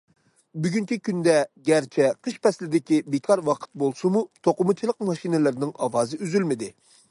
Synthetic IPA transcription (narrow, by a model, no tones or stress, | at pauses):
byɡʲyŋt͡ʃʲikʲynd̪ɛɡʲæɾt͡ʃʰɛqʰəʃpɛslɪd̪ɪkʲibekʰɑɾwɑqʰə̥t̪̚bolˠsumut̪ʰoqʊmut͡ʃʰilˠəq̚mɑʃinɪlɪɾnɪŋɑwɑːzɨyzylmɪd̪ɪ